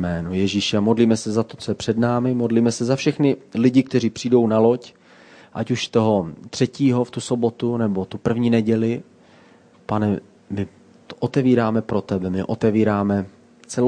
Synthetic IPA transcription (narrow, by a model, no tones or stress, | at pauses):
mɛːnojɛʒiːʃɛamo̞dliːmɛsɛzat̪o̞t͡so̞jɛpr̥ɛdnaːmɪmodliːmɛsɛzafʃɛxnɪlɪɟɪk̚t̪ɛr̝iːpr̝̥iːdo̞wnalo̞c | ʔacuʃt̪o̞ɦot̪r̥ɛciːɦoft̪uso̞bo̞t̪unɛbo̞t̪upr̩vɲiːnɛɟɛlɪ | panɛ | mɪ | t̪oʔot̪ɛviːɾaːmɛpɾo̞t̪ɛbɛmɪʔot̪ɛviːɾaːmɛ | t͡sɛ